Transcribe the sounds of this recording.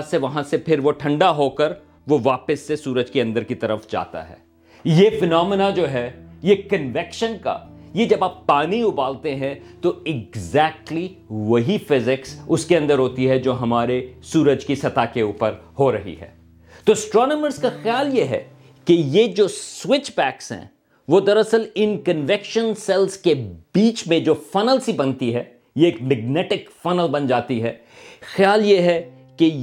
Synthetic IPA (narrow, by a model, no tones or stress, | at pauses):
seʋɐɦãsepʰɪɾʋoʈʰɐ̃ɳɖaɦokɐɾ | ʋoʋaːpəsːesuːɾəd͡ʒkeɐ̃nd̪əɾkit̪ɐɾəfd͡ʒa̰ːt̪a̰ɦɛ̰ː | jefɪnɔːmɪnad͡ʒoːɦɛjekɐ̃nʋɛkʃənka̰ | jed͡ʒɐbaːpːaːniʊbaːlt̪eɦɛ̃t̪oɪɡzɛːk̚ʈli | ʋɐɦifɪzɪksʊskeɐ̃nd̪əɾɦoːt̪iɦɛd͡ʒoːɦɐmaːɾesuːɾəd͡ʒkisɐt̪akeuːpəɾhoɾɐɦḭɦɛ̰ː | t̪oːsʈɾɔːnəməɾzkaxjaːljeɦɛ̰ | kejed͡ʒoːswɪt͡ʃbɛːksɦɛ̰̃ː | ʋod̪ɐɾɐsəlɪ̃nkə̃nʋɪkʃə̃nsɛlzkebiːt͡ʃmẽd͡ʒoːfɐnəlsibɐnt̪iɦɛː | jeːkmɛɡnɛːʈɪkfɐnəlbɐ̃nd͡ʒaːt̪iɦɛ | xjaːljeɦɛ | ke